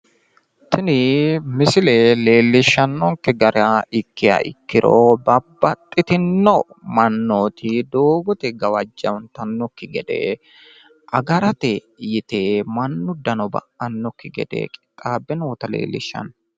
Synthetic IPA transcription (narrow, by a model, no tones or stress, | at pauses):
t̪ɪnɪmɪsɪlɛle̞ːlːɪʃːɐnːɔŋkːɪɡɐɾaɪkːɪja̰ʔɪ̰kːɪɾo̰bɐbːɐt̪ʼːɪt̪ɪnːɔmɐnːoːt̪ɪd̪oːɡɔt̪ɛɡɐwɐd͡ʒːɐwnt̪ɐnːɔkːɪɡɛd̪ɛ̰ | ʔɐɡɐɾɐt̪ɛ | jɪt̪emɐnːʊd̪ɐnɔbɐ̰ʔɐnːɔkːɪɡɛ̰d̪ɛ̰kʼɪt̪ʼaːbːɛnoːt̪ɐlḛːlːɪ̰ʃːɐ̰n